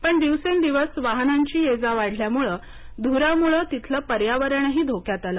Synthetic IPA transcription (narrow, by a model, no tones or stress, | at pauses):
pəɳd̪iʋsend̪iʋəsʋaɦnaɲt͡ɕiːed͡zaʋaɽ̤ʱljamuɭə | d̪ʱuɾamuɭəːt̪it̪ʰləpəɾjaʋəɾəɳɦiːd̪ʱokjat̪aləː